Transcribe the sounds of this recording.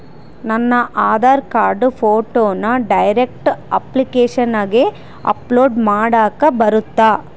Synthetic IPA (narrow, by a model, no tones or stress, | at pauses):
nɐnːɐʔaːðaːɾkaːɾɖɯfoːʈːoːnaɖɐjɾɛk̚ʈʔɐplɪkeːʂɐnaːɣeː | ʔɐ̰ploːɖmaːɽaːkɐbɐɾɯt̪ːaː